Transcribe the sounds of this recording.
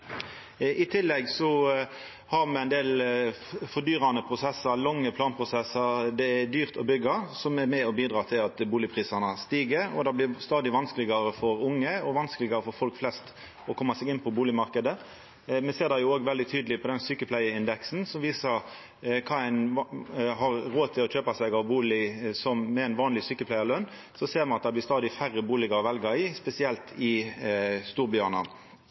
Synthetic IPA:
ɪt̪ʰɪlːɛɡsɔ | hɑɾmɛæɪnd̪eːl | fɔd̪yːɾɑnəpʰɾʊsɛsəɾlɔŋːəpʰlɑːnpʰʁʊsɛsːəɾd̪ɛæd̪yːʁt̪ʰɔ̰bʏɡɑsɔmɛɾmɛɔbiːd̪ɾɑːt̪ʰɪlɑt̪buːlɪpʰʁiːsɑnɑst̪iːɡəɾɔ̰d̪ɑblɪst̪ɑːd̪ɪʋɑnsklɪɡɑɾəfɔɾʊŋːəɔʋɑnskəlɪɡɑɾəfɔɾfɔlkflɛst̪ | ɔkʰɔmːɑsɛɡɪnːpʰɔbuːlɪmɑɾkəd̪ə | mɛseːʁd̪ɑjʊoːɡʋɛld̪ɪt̪ʰyːd̪lɪpʰɔd̪ɛnsyːkəpʰlæɪəɪnd̪ɛksn̩sɔmʋiːsəɾ | kʰɑːæɪn | ɦɑʁɾoːt̪ʰɪlɔc͡çøːpɑsæɪɡɑʋbuːlɪsɔmmɛːnʋɑːnlɪsyːkəpʰlæɪəlœnː | sɔseːɾmɛnɑt̪̚d̪ɑblɪɾst̪ɑːd̪ɪfæʁəbuːlɪɡəɾɔʋɛlɡɑɾɪspɛsɪɛlt̪ʰɪ | st̪uːɾbjøːʁnɑ̰

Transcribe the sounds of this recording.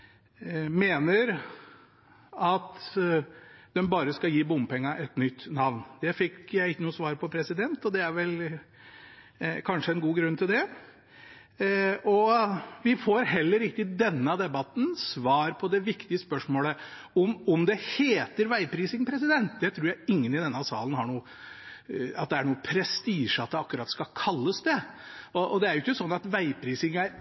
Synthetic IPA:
meːnəɾ | ɑt̪ | d̪ɛmbɑːɾəskɑjiːbʊmpɛŋːəʔɛt̪nʏt̪ːnɑʋnd̪̥ɛfɪkːjæɪɪkːənuːsʋɑːɾpʰɔpʰɾɛsɪd̪ɛnt̪ɔd̪ɛæɾʋɛl | kʰɑnʂəɛnɡuːɡɾʉnːt̪ʰɪld̪ɛ | ɔʋɪfoːɾɦɛlːəɾɪk̚t̪ɪd̪ɛnːəd̪ɛbɑt̪n̩sʋɑːɾpʰɔd̪ɛʋɪkt̪ɪəspœʂmoːlə | ɔmɔmd̪ɛheːt̪əɾʋæɪpʰɾiːsɪŋpʰɾɛsɪd̪ɛnt̪d̪ɛt̪ʰɾuːɾjæɪɪŋːənɪd̪ɛnːəsɑ̰ːlən̩hɑɳuː | ɑt̪̚d̪ɛæɳuːəpʰɾɛst̪iːʂɑt̪̚d̪ɛɑkːʉɾɑt̪skɑkʰɑlːəsd̪ɛɔʔɔd̪ɛæɾjʊɪçːəsɔnːɑt̪ʋæɪpʰɾiːsɪŋæɾ

